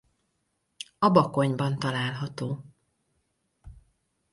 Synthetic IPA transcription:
ɒbɒko̞ɲbɒnt̪ɒlaːlɦɒt̪oː

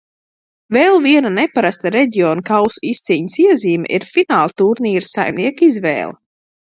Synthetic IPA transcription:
vɛlˠviɛnanɛpaɾast̪aɾɛɟiɔːnkawsist̪sʲiːɲəsiɛziːmɛ̰ʔiɾfinaːlˠt̪uɾniːɾsa̰jmniɛkizvɛ̰ːlˠa̰

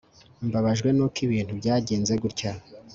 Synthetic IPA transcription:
mbaβaʒɡwe̞nokiβiːnthubɟaːɟeːnze̞ɡuɾca

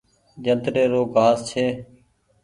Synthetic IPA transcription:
d͡ʒənt̪ɾeːɾoːɡʱaːzt͡ʃʰeː

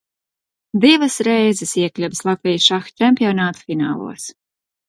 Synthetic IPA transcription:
d̪ivasɾɛjzɛsiɛklʲɛvslˠat̪vʲijsʃaxt̪ɛmʲpʲiɔnaːt̪u̥fina̰ːlˠṵɔs

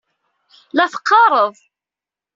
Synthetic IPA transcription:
læθə̥qːɑɾˤəðˤ

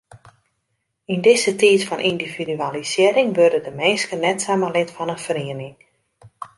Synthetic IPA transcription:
indɪzətiːtfɔnʔindividyalisɪəɾɪŋʋørdədəmeːskənɛtsaməlɪtfɔnənfəriənɪŋ

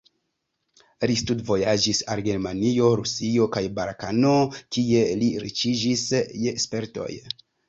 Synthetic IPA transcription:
listudvo̞jad͡ʒisalɡe̞ɾmanio̞ɾusio̞kajbaɾkano̞kie̞liɾḭt͡ʃid͡ʒisjespe̞ɾto̞̰j

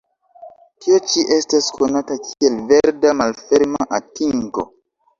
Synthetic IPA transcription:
tiot͡ʃiʔe̞staskʰo̞natakʰie̞lve̞ɾdamalfe̞ɾmaʔatiŋko̞̰

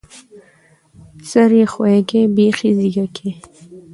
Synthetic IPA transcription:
saɾixwekebexiziɡakʰe

